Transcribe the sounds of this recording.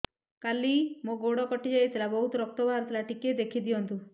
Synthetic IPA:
kalimoɡoɽɔkɔʈid͡ʒajt̪ʰilabɔɦut̪ɔɾɔk̚t̪ɔbʱaaɾt̪ʰilaʈiked̪ekʰid̪ijɔnt̪u

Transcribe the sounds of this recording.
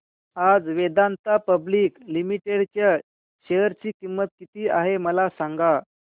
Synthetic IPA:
ad͡zʋed̪ant̪apəbliːklimiʈeɽt͡ɕja | ɕejəɾt͡ɕiːkimːət̪̚kit̪iːaɦeməlasaŋɡa

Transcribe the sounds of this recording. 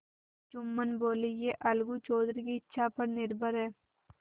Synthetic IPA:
t͡ʃʊmːənboːlijeːʔɐlɡut͡ʃoːd̪ɾkiɪtːʃʰapəɾnɪɾbʱəɾɦɛː

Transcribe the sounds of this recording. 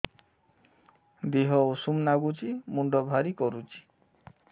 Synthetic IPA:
d̪eɦɔosumnaɡut͡ʃimuɳɖɔbʱaɾikɔɾut͡ʃʰi̥

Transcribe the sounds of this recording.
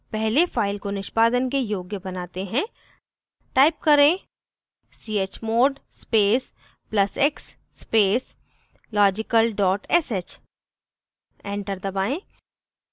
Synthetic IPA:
pɛɦlefaːɪlkonɪʃpaːd̪ənkejoːɡjəbɐnaːt̪eɦɛ̃ | ʈaːɪp̚kɐɾẽ | siːeːt͡ʃmoːɖspeːs | plɐseksː | peːs | lɔːd͡ʒɪkəlɖɔːʈɛset͡ʃ | ɛ̃ːɳʈəɾd̪ɐbaːẽ

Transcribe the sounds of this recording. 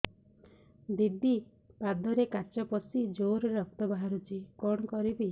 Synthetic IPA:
d̪id̪ːi | pad̪ɔɾekaɾt͡ʃɔpɔsid͡ʒoɾɔɾɔk̚t̪ɔbaɦaɾut͡ʃikɔɽ̃ɔkɔɾibi

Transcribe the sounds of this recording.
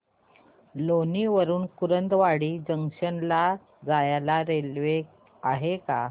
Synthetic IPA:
loniʋəɾuːnkuɾənd̪ʋaɽiːd͡ʑəŋʂənla | d͡zajalaɾelʋe | aɦeka

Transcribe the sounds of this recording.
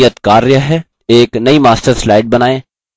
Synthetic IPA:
jət̪kaːɾjəɦɛ | eːknɐimaːsʈəɾslaːɪɖ̚bɐnaːẽ

